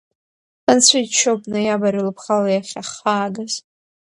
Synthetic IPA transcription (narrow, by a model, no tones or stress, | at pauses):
ant͡sʷʰait͡ʃʰop̚ʼnɨjabaɾɨlɨpʰχalajaχʲaχaːɡaz̥